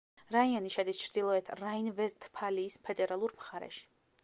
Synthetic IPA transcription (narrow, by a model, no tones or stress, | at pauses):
ɾaianiʃɛd̪ist͡ʃʰɾd̪ilˠɔɛt̪ʰɾainvɛzt̪ʰpʰaliːspʰɛd̪ɛɾalˠuɾmχaɾɛ̰ʃi̥